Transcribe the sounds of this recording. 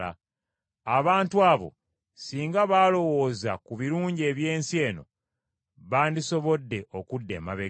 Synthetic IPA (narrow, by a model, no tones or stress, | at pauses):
a̰ | aβaːntuaːβo̞̰ | siːŋɡaβaːlo̞wo̞ːza̰kuβiɾuːɲɟe̞ːβje̞ːnsje̞ːno̞̰ | βaːndiso̞βo̞dːe̞ʔokudːe̞̰ːma̰βe